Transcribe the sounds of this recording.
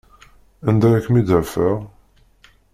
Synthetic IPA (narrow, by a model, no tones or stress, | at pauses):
ænd̪æɾækːmid̪əɾfəʁ